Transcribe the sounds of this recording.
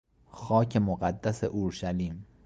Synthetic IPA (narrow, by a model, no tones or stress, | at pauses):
xɒːcʰe̞moɢæd̪ːæsḛʔoɾʃæliːm